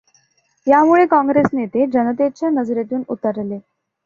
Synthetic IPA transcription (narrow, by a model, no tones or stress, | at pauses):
jamuɭekɑ̃ŋɡɾesnet̪ed͡ʑənət̪et͡ɕjanəd͡zɾet̪uːnut̪əɾle